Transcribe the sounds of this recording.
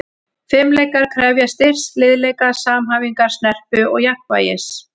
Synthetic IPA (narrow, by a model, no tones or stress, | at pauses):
fɪmlejkaɾ̥kʰɾaːvjast̪ɪr̥st̪lɪðlɛːjkasaːmɦaːviŋkaɾ̥snɛr̥pʏɔɣjahkva̰ːjɪ̰s